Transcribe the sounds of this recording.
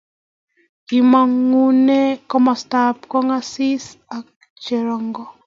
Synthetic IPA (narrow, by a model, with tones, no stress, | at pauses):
ki˨ma˨ŋu˦ne˦kɔ˦mɔ˨sta˦pkɔ˦ŋa˦si˦sa˨k̚ | t͡ʃeɾɔ˨ŋɡɔ˨